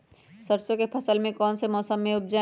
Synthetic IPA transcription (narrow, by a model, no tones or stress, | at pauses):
səɾsõkepʰɐsəlmẽkɔːnsemɔːsəmːẽʊp̚d͡ʒa